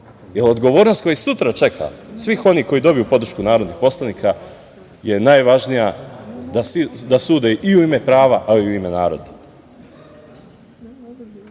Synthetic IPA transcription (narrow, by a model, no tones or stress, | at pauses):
jelo̞d̪ɡo̞ʋo̞ːɾnost̪ko̞jisut̪ɾat͡ʃe̞kʰa̰sʋixo̞niːko̞jid̪o̞bijupo̞d̪ɾ̩ʃkunaːɾod̪nixpo̞slˠaniːkʰa | jenajʋaʒnijad̪ad̪asuːd̪eʔiuime̞pɾaːʋaʔaiuime̞naːɾo̞̰d̪a